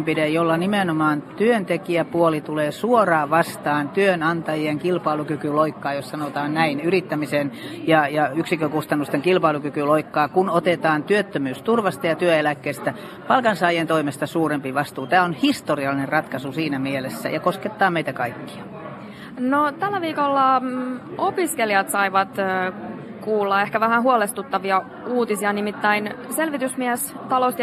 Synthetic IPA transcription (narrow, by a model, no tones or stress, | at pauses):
mpiɾejolːɑnimenomɑːnt̪yønt̪ekiæpuolit̪uleːsuorɑːʋɑst̪ɑːnt̪yønɑnt̪ɑjieŋkilpɑilukykyloikːɑːjossɑnot̪ɑːnnæinyrit̪ːæmisenjɑjɑyksikøkust̪ɑnːust̪eŋkilpɑilukykyloikːɑːkunot̪et̪ɑːnt̪yøt̪ːømyːst̪urʋɑst̪ɑjɑt̪yøelækːeːst̪æ | pɑlkɑnsɑːjent̪oimest̪ɑsuːrempiʋɑst̪uːt̪æːonhist̪oriɑlinerɑt̪kɑsusiːnæmielesːæ̰jɑkosket̪ːɑːmeit̪ækɑikːi̥ɑ | not̪ælːæʋiːkolːɑ | opiskeljɑt̪sɑiʋɑt̪ | kuːlːɑehkæʋæhæɦuolest̪ut̪ːɑʋiɑ | uːt̪isiɑnimit̪ːæinselʋit̪ysmiæst̪ɑlost̪